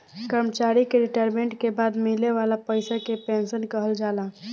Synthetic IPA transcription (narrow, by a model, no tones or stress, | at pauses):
kəɾmət͡ʃaɾikeɾiʈaɾmẽɳʈkebad̪mileʋalapəjsakepẽnsənkəɦəld͡ʒala